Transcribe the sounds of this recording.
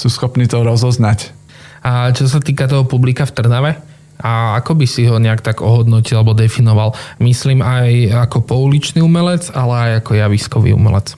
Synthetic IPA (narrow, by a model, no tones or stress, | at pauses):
suːsxɔpniːt̪ɔɾɔzɔznac | t͡ʃɔs̬at̪iːkat̪ɔɦɔpublikaft̪r̩naʋɛ | ʔaakɔbisiɦɔɲɛakt̪aɡɔɦɔd̪nɔcilalɛbɔd̪ɛfinɔʋalmisliːmajakɔpɔulit͡ʃniːumɛlɛd͡zalɛajakɔjaʋiskɔʋḭːṵmɛ̰lɛ̰t͡s